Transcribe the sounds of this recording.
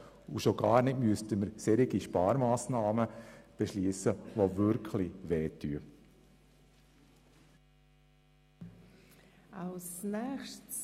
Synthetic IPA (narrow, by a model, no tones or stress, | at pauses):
uʃoɡɑːɾnɪtmyəstəməɾsɛɾɪɡiʃpɑːɾmaːsnɑːməb̥ɛʃliːsəʋovʏɾkʰlɪʋɛːtʰyə | aʊsnɛxʃt